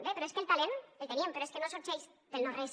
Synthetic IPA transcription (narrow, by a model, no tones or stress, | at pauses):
d̪epeɾoeskelt̪alenelt̪eiempeɾoeskenosoɾt͡ʃejzd̪elnores